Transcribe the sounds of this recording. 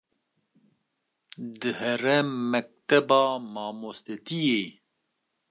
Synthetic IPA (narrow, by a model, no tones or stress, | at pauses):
d̪ɨhɛrɛmːɛk̚t̪ɛbɑːmɑːmoːst̪ɛt̪ijeː